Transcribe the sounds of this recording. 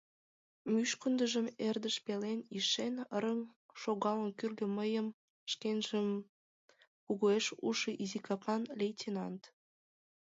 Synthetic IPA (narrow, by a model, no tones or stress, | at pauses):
myʃkənd̪əʒəmerd̪əʃpeleniʃenəɾəm | ʃoɣɑlənkyrɣə̆məjəm | ʃkenʒəm | kuɣoeʃuʃəʔizikɑpɑnlʲejtʲenɑnt̪